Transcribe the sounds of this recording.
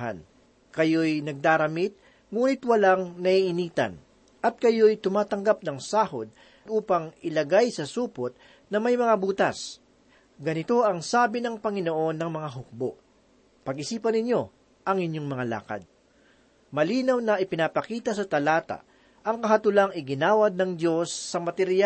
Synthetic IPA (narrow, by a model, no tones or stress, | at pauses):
ɦa̰n | kɐjo̞jnɐɡ̚d̪aːɾɐmit̪̚ | ŋuːnɪt̪wɐlaŋnɐʔiʔɪniːt̪ɐ̰n | ʔɐt̪̚kɐjo̞jt̪ʊmaːt̪ɐŋɡap̚nɐŋsaːhod̪̚ | d̪ʔuːpɐŋɪlɐɡajsɐsuːpot̪̚ | nɐmɐjmɐŋabuːt̪ɐs | ɡɐnɪt̪o̞ʔɐŋsaːbɪnɐŋpɐŋɪno̞ʔo̞nːɐŋmɐŋaɦʊk̚boʔ | pɐɡʔɪsiːpɐnɪɲo̞ | ʔɐŋɪɲjo̞ŋmɐŋala̰ːkɐ̰d̪̚ | mɐliːnɐwnɐʔɪpɪnapɐkiːt̪ɐsɐt̪ɐlaːt̪ɐ̰ | ʔɐŋkɐɦɐt̪ʊlaŋɪɡɪnaːwɐd̪̚nɐŋd̪jo̞sːɐmɐt̪ɛɾja